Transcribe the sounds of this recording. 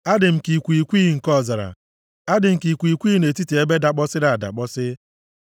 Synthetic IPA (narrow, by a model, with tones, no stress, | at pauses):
a˦dɪ˨m̩˨ki˨kʷu˨i˨kʷi˦ŋ̩˨kɔ˦˨za˨ɾa̰˨ | a˦dɪ˨m̩˨ki˨kʷi˨kʷi˦ne˨ti˦te˨e˦be˦da˨k͡pɔ˦sɪ˦ɾa˨a˨da̰˨k͡pɔ˦sɪ˦